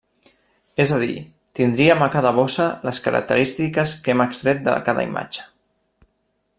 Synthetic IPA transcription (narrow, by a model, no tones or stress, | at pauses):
ezəð̞ḭ | t̪ind̪ɾiəməkaðəβosələskəɾə̰k̚t̪ə̰ɾist̪ikəskeməkst̪ɾɛt̪̚d̪ə̰kaðə̰ḭma̰d͡ʒə̥